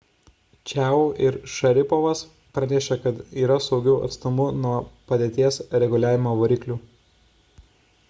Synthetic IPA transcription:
t͡ʃʲæːuːʔɪɾʃɐɾʲɪpɔʋɐs | pɾɐnʲɛʃʲekɐt̪iːɾɐsɒʊɡʲɛʊɐ̰t̪st̪ʊmʊnuɔpɐd̪ʲeːt̪ʲiɛsɾʲɛɡʊlʲæːʋʲɪmoːʋoɾʲiːklʲuː

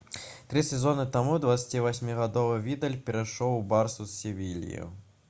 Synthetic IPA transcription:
t̪ɾɨsʲɛzɔnɨt̪amud̪vat̪sʲḁt͡sʲivasʲmʲiɣad̪ɔvɨvʲid̪ɐlʲpʲɛɾajʂɔwbarsussʲivʲilʲḭjṵ

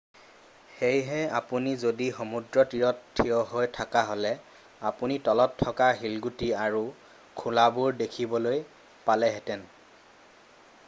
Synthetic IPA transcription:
xejɦɛapunizodixomudɹɔtiɹɔtʰːijɔɦojtʰakaɦolɛ | apunitɔlɔtʰːɔkaɦilɡutiaɹu | kʰulabuɹdekʰibɔloj | palɛɦɛtɛn

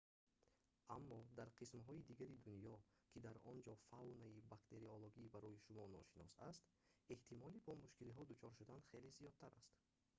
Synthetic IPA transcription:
amːɔd̪aɾqʰismɦɔid̪iɡaɾid̪unjɔkʰid̪aɾɔnd͡ʒɔfawnaibakt̪ʰe̞ɾioloɡiːbaɾɔjiʃumɔnɔ̰ʃinɔsast̪ | e̞ht̪ʰimɔlibɔmuʃkiliɦɔd̪ut͡ʃʰɔɾʃud̪anχe̞lizijɔd̪t̪ʰaɾa̰st̪

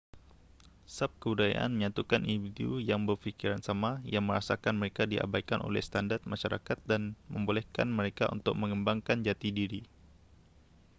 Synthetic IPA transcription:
sap̚kəbudaja̰ʔa̰nməɲat̪ukanʔindifidiujaŋbərfikiɾansamajaŋməɾasakanməɾekadia̰bajkanʔo̰lɛ̰hst̪andart̪̚maʃaɾa̰kat̪̚danməmbolɛhkanməɾeka̰ṵnt̪ʊk̚məŋəmbaŋkand͡ʒat̪idiɾi

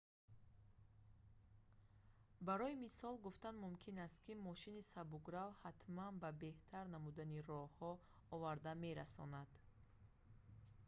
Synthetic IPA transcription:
baɾɔimisɔlɡuft̪anmumkʰinast̪̚kimɔʃinisabuɡɾavhat̪manbabe̞ht̪ʰaɾnamud̪aniɾɔhɔ | ɔvaɾd̪ame̞ɾasɔnad̪̥

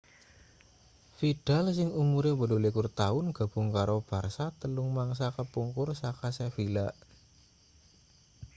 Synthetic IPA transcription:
fid̥a̤ls̬ɪŋumuɾebəlulikʊrt̪aʊnɡ̥a̤b̥ṳŋkaɾob̥a̤rsat̪əlʊŋmaŋs̬akəpuŋkʊrsakasefilaʔ

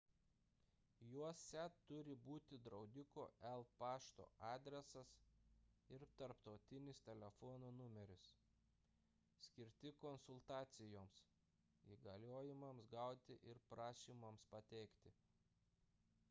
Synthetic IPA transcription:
juɔsʲɛt̪ʊɾʲɪbuːt̪ʲɪd̪ɾɒʊd̪ʲɪko̰ːɛlˠpɑːʃt̪o̰ːɑːd̪ʲɾʲɛsɐs | ɪɾt̪ɐɾpt̪ɒʊt̪ʲɪnʲɪst̪ʲɛlʲɛfɔːnoːnʊmʲɛɾʲʊs | sʲkʲɪɾʲt̪ʲɪkɔnsʊlˠt̪ɑːt̪sʲɪjoːms | iːɡɐlʲoːjɪmɐmsɡɑˑʊt̪ʲɪʔɪɾpɾɑːʃʲiːmɐmspɐt̪ʲɛɪkt̪ʲɪ

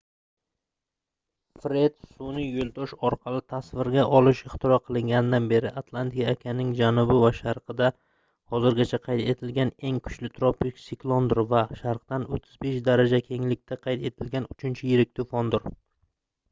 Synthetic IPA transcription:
fɾe̞t̪sunɪjolˠd̪ɒʃɒɾqʰɑlɪt̪ʰasvɪɾɡʲaʔɒlˠɪʃɪχt̪ʰɪɾɒqʰɨlˠɪŋɡʲanɪd̪anbe̞ɾɪʔat̪ʰlˠant̪ɪkʲaːkʲʰanɪŋd͡ʒanʊbɪvaʃaɾqʰɨd̪a | hɒzɪɾɡʲat͡ʃʰaqʰɑjt̪ʰe̞t̪ʰɪlɡʲane̞ŋkʰʊ̥t͡ʃlɪt̪ʰɾopːɪksɪklˠond̪ʊɾvaʃaɾqt̪anot̪ʰːɪzbe̞ʃd̪aɾad͡ʒakʲʰe̞ŋlɪk̚ʲt̪ʰaqʰɑjt̪ʰe̞t̪ʰɪlɡʲanʊt͡ʃʰɪnt͡ʃʰɪjɪɾɪk̚ʲt̪ʊfɒnd̪ʊɾ

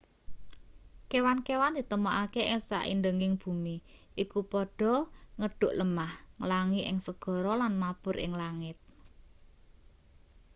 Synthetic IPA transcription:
kewankewand̪̥i̤t̪əmoʔakeʔɪŋsa̰ʔḭnd̪əŋɪŋb̥ṳmiʔikupɔɖ̥ɔ̤ŋəɖ̥ʊ̤ʔləmahŋlaŋiʔɪ̰ŋsəɡ̥ɔ̤ɾɔlanmapʊɾʔɪ̰ŋlaŋɪt̪̚

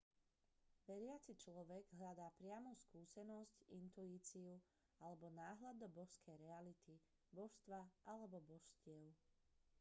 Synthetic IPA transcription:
ʋɛɾɪat͡sit͡ʃlɔʋɛɡɦʎad̪aːpɾɪamɔskuːsɛnɔscint̪uiːt͡siu | alɛbɔnaːɦlad̪ɔbɔʃskʰɛjɾɛalit̪i | bɔʃst̪ʋaʔalɛbɔbɔʃscɪɛʊ

